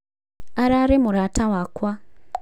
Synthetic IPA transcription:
aɾaɾemuɾatawaːkwa

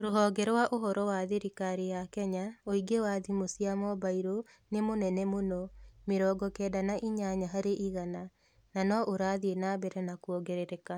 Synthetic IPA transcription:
oɾoɦɔːɡɛɾwaʔoɦɔɾɔwaðeɾikaɾejakɛɲaoiɡewaðimosiamɔbaiɾo | nemonɛnɛmonɔmeɾɔːɡɔkɛːdanaʔiɲaɲaɦaɾeʔiɣana | nanɔʔoɾaðienaːbɛɾɛnakuɔɡɛɾeɾɛka

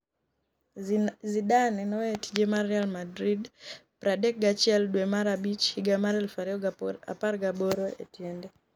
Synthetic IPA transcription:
zidanɛnɔeti̥d͡ʒemaɾɛalmadɾidpɾadɛk̚ɡat͡ʃɛldwemaɾabit͡ʃhiɡamaɾɛlfaɾiɔa̰parɡaboɾoḛtjɛndɛ

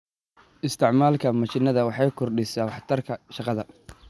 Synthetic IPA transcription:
ʔɪst̪ʰɪʕmaːlkʰɐmɐt͡ʃɪnɐðɐwɑħɑjkʰɔrɖɪsaːwɑħt̪ʰɐrkʰɐʃɑqɑðɐ

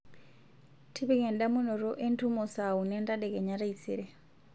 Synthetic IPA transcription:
tʰiβikɛndamunɔɾɔʔentʰumɔsaunɛndaɗɛkɛɲaɾait͡sʰḭɾɛ

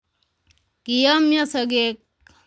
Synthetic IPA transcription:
kijəmjɐsəɡek

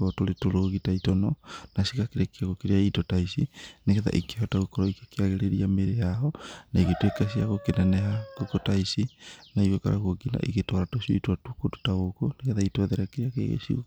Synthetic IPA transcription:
ɔtoɾetoɾoɣitaitɔnɔnasikakeɾekeaɣokeɾeaitɔtaisineɣɛða̰ʔikehɔtaɣokɔɾɔikakeaɣeɾeɾiameɾejaɔnaiɣetwekas̬iaɣokenanɛɦakokotaisinaiwɛka̰ɾa̰ɣoɡina̰ʔiɣetɔɾatosioitwatukoto̥taɣokoneɣɛðaitwaðɛɾakeɾeakḛɣḛsio̰

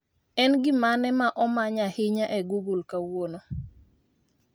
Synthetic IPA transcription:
ɛnɡɪmanɛmaʔɔmaɲahɪɲaʔɛɡuɡulkawono

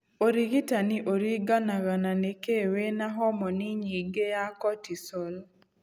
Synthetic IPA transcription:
oɾiɡitaniʔoɾiɡanaɣananekewenaɦɔmɔniɲiɡejakɔtisɔl

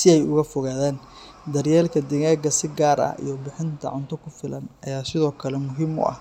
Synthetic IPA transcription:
sɪɛjʊɣɐfɔɣaːðaːn | d̪ɐrjɛːlkʰɐd̪ɪɣaːɡɐsɪɡaːɾɐ̰hḭjɔbɪħɪnt̪ʰɐ̰ʕʊnt̪ʰɔkʰʊfɪlɐnɐjaːsɪðɔːkʰɐlɛmʊɦiːmʊ̰ʔɐ̰h

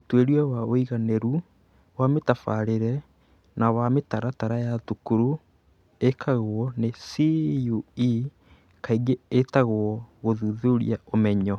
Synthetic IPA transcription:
otweɾiawaoiɣanɛɾu | wametafaɾeɾɛ | nawametaɾataɾajatukuɾu | ekʰaɣoɔnesiui | kʰaiɡeːtaɣwɔɣoðuðuɾḭaomɛɲɔ

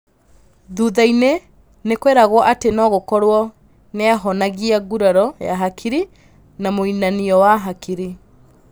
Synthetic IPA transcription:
ðuːðaine | nekweɾaɣwɔʔatenɔːɣokɔɾwɔ | neɛɦɔnaɣiaɡuɾaɾɔjaɦakʰiɾi | namoinaniɔwaɦakiɾi

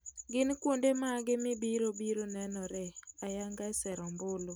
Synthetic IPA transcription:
ɡɪnkwondemaɡɪmɪbiɾobiɾonɛnɔɾɛajaŋɡasɛɾɔmbʊlo

